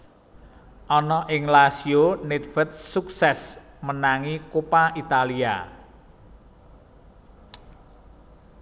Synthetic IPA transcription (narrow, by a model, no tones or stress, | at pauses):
ʔɔnɔʔɪŋlasionet̪̚fə̤t̪̚suk̚sɛsmənaŋikopaʔit̪alia̰